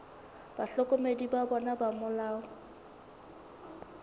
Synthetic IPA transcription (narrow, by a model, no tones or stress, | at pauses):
b̥aɬɔkʼomedibabɔnabamʊlaːʊ